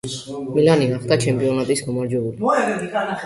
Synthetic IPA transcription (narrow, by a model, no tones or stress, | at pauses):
milaniɡaχt̪ʼat͡ʃʰɛmpʼiɔnat̪ʼismamaɾd͡ʒɛbuli